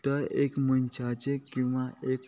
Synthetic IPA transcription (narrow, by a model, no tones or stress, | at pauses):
t̪əɾekmənt͡ɕʰat͡ɕekĩw̃ʋaʔek